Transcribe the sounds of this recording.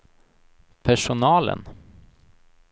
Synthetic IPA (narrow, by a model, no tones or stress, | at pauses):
pʰæʂʊnɑːlə̰n